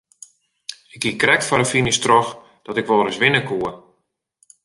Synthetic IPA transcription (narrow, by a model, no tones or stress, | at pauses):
ɪk̚ːikrɛk̚tfɔɾəfinɪstrɔx | d̥ɔtɪkʋɔɾəsʋɪnəkuə